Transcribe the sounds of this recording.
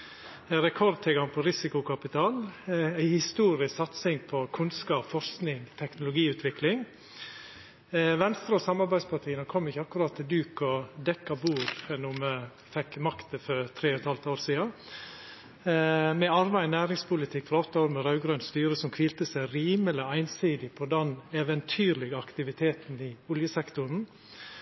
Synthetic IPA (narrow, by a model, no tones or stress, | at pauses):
ɾɛkʰɔɾd̪̚t̪ʰɪlɡɑŋpʰɔɾɪsɪkʊkɑpɪt̪ʰɑːlæɪhɪst̪uːɾɪssɑt̪sɪŋpʰɔkʰʊnskɑːpfɔɾsknɪŋt̪ʰɛknʊlʊɡiːʉːt̪ʰʋɪklɪŋ | ʋɛnst̪ɾəɔsɑmɑɾbæɪspʰɑʈʰiːənəkʰɔmːɪçːəɑkːʉɾɑːt̪ʰːɪld̪ʉːkɔd̪ɛkːɑbuːɾnʊːmə | fɛkːmɑkt̪əfɔɾt̪ʰɾeːɔt̪ʰhɑlt̪oːɾsiːɑ | mɛɑɾbæɪnæːɾɪŋspʰʊlɪt̪ʰɪkːfɔɾɔt̪ːəoːɾmɛɾɑʉɡɾønst̪yːɾəsɔmkʰʋiːlt̪əsæɪɾiːmɛləæɪnsiːd̪ɪpʰɔd̪ɛnɛʋɛnt̪ʰyːɾlɪɡɑkt̪ɪʋɪt̪ʰeːt̪n̩ɪʊljəsɛkt̪ʊɾn̩